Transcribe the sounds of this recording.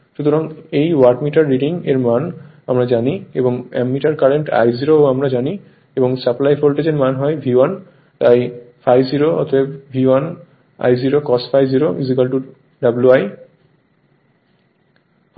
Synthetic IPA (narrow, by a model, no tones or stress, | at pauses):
ʃut̪ʰoɾaŋejwaɾʈmiʈaɾːiɖiŋeɾman | amɾad͡ʑanieboŋɛ̰mːiʈaɾkaɾeɳʈa̰jziɾooamɾad͡ʑani | eboŋsaplajfolʈed͡ʑeɾmanɦɔebʱiwan | t̪ajfajziɾoɔ̰t̪ʰobebbʱiwan | a̰jd͡ʑiɾokɔsʈfʰajd͡ʑiɾoʔiziɡalʈu | ɖabluaj